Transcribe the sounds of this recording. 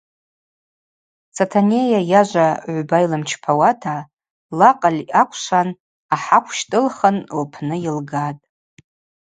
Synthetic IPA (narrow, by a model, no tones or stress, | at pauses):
t͡sʰatʰanejajaʒʷaʕʷbajlɨmt͡ʃʰpʰawatʰa | laqʼalʲakʷʰʂan | aħakʷʰʃtʼɨlχənlpʰnɨjɪlɡatʼ